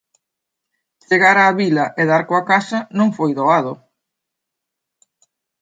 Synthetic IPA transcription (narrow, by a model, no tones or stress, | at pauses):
t͡ʃeɣaɾaːβilɐʔeðaɾkoakasɐnõŋfojðoað̞o